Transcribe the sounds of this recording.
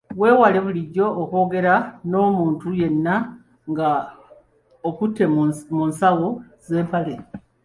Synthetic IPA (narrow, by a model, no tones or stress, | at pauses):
βwe̞ːwale̞βuliɟːo̞ːko̞ːɡe̞ɾano̞ːmuːntuje̞nːa | ŋɡa | okutʰːe̞munsawoze̞ːmpale